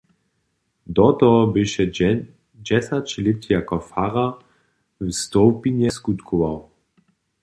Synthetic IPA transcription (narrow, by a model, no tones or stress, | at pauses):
d̪ɔt̪ɔɔbɪʃɛ | d͡ʑɛsat͡ʃlɪp̚t̪jakɔfaʁa | vst̪ɔwpiɲɛskut̪kʰɔvaw